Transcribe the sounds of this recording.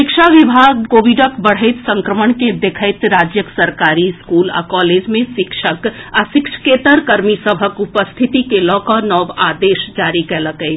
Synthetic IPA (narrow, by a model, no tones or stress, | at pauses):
ʃɪkʃʰaʋɪbʱaːɡkoːʋɪɖəkbəɽ̤əɪt̪sə̃ŋkɾəməɳked̪ekʰəɪt̪ɾaːd͡ʒjəksəɾkaːɾiskuːla̰kɔːleːd͡ʒmẽʃɪkʃəkaʃɪkʃə̥keːt̪əɾkɐɾmisəbʱəkʊpəst̪ʰɪt̪ikelɔːkɔnɔːʋaːd̪eːʃd͡ʒaːɾikɛləkə